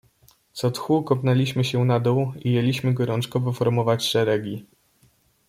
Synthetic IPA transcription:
t̪sɔt̪xukɔpnɛlʲiɕmɘɕɛnad̪ɔwijelʲiɕmɘɡɔɾɔnt͡ʂkɔvɔfɔɾmɔvat͡ɕʂɛɾɛɡʲi

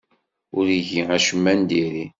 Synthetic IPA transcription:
ʊɾiʝiæʃəmːænd̪iɾi

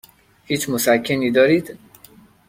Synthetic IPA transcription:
hiːt͡ʃʰmosækʰːeniːd̪ɒːɾiːd̪̥

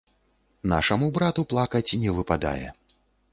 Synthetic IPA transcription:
na̰ʂɐmubɾat̪uplˠakɐt͡sʲinʲɛvɨpad̪a̰jɛ̰

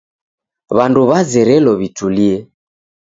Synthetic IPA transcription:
βanduβazɛɾɛlɔβituliɛ

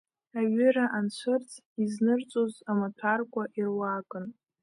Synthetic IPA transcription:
aɥʏɾaʔant͡ɕʷʰɨrt͡sʰ | iznɨrt͡sʼozamatʰarkʷʼaʔirwakʼɨn

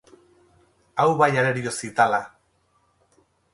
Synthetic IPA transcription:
awβajaɾeɾiosit̪ala

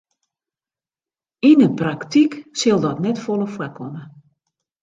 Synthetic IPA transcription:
inəpraktʰiksɪlˠdɔtnɛtfolˠəfwɛkʰɔmə

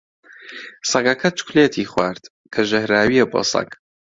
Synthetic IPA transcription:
sɐɡɐkʰɐt͡ʃʊ̥kleːt̪ʰiːχwaːɾd̪̥ | kʰɐʒɐhɾaːwiebo̰ːsɐ̰ɡ

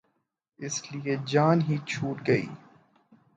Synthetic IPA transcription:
ɪslied͡ʒaːnɦiːt͡ʃʰuːʈɡɐḭː

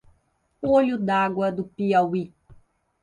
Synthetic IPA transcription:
oʎud̪aɡwɐd̪ʊpiawi

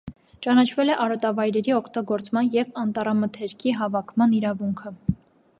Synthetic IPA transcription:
t͡ʃɑnɑt͡ʃʰvɛlɛʔɑɾɔt̪ɑvɑjɾɛɾiɔkʰt̪ɑɡɔɾt͡smɑnjɛvɑnt̪ɑɾɑmət̪ʰɛɾkʰiɦɑvɑkʰmɑniɾɑvuŋkʰə

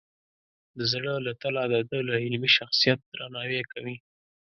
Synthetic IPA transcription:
d̪əzɽəlat̪alɑd̪ɑd̪əlaɪlmiʃaxsijat̪̚d̪ɾanɑwekawi

